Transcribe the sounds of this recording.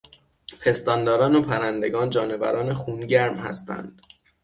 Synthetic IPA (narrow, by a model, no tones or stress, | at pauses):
pʰe̞st̪ɒːnd̪ɒːɾɒːnopʰæɾænd̪e̞ɡɒːnd͡ʒɒːne̞væ̰ɾɒːnexuːnɟæɾmhæ̰st̪ʰæ̰nd̪̥